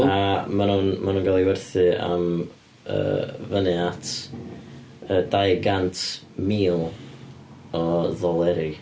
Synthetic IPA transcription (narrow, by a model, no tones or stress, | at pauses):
amanunmʔanunɡalˠiwɛrθɨa̰m | ə̰ːvənɪatʰ | ədajɡantʰ | miːlˠ | ɔðɔlˠɛɾi